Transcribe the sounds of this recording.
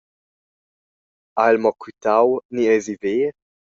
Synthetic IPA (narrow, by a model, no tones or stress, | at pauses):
aɛlmɔkwit̪awniɛziveː